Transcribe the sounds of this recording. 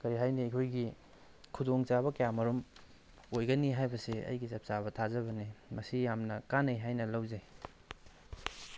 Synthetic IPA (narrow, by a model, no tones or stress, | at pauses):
kɐɾiɦajniikʰojɡi | kʰudoŋt͡ʃabɐkɐjamɐɾom | ojɡɐniɦajbɐsiɐ̰jɡisɐp̚t͡ʃabɐtʰazɐβɐnimɐsijamnɐkanɐjɦajnɐlɐwze